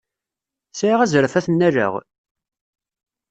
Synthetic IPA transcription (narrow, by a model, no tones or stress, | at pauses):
siʁæzɾəfæθənːæɾə̰ʁ